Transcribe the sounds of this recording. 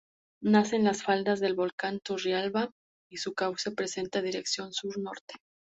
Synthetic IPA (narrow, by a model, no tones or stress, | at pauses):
nase̞nlasfald̪azðe̞lβo̞lkant̪urjalβa | isukawsepɾe̞se̞nt̪aðiɾe̞ksjo̞nsuɾno̞ɾt̪e̥